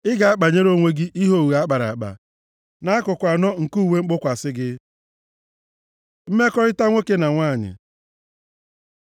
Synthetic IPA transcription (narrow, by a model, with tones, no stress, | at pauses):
ɪ˦ɡa˨a˦k͡pa˨ɲe˦ɾo˦˨ŋʷe˦ɡɪ˦ʔi˦ɦo˦˨wu˨a˦k͡pa˨ɾa̰˨a˨k͡pa̰˨ | na˦kʊ˨kʷa˨nɔ˦ŋ̩˨ku˦˨we˦ŋ͡m̩˦k͡pʊ˦kʷa˨sɪ˦ɡɪ˦ | m̩˦me˦kɔ˦ɾɪ˦ta˦ŋʷe˦ke˦na˨ŋʷa˦˨ɲɪ̰˨